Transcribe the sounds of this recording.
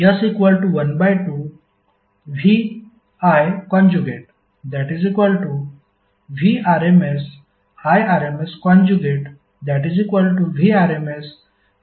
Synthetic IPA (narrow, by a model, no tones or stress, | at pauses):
jəsikʋəlʈuʋənbajʈu | ʋi | ajkɔ̃nd͡ʒuɡeʈ̚ | d̪ɛʈizikʋəlʈu | ʋiaɾemes | ajaɾemeskɔ̃nd͡ʒuɡeʈ | d̪æʈizikʋəlʈuʋiaɾemes